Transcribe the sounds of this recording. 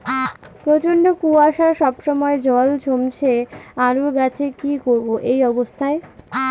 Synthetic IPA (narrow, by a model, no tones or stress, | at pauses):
pɾot͡ɕonɖokuaʃaɾʃɔbʃɔmɔed͡ʑɔlt͡ɕʰomt͡ɕʰeaɾuɾɡat͡ɕʰekikoɾboʔejɔbost̪ʰae